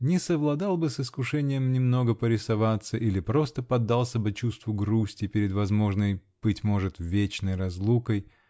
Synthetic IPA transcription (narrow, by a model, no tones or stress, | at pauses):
nʲɪsəvlˠɐd̪ɑlˠbɨsɨskʊʂɛnʲɪjəmnʲɪmno̞ɡəpəɾʲɪsɐvat̪səʔilʲɪpɾo̞st̪əpɐd̪ːalˠsʲəbɨt͡ɕust̪vʊɡɾusʲtʲɪpʲɪɾʲɪd̪vɐzmo̞ʐnəjb̥ɨtʲmo̞ʐɨt̪vʲet͡ɕnəjrɐzlˠukəj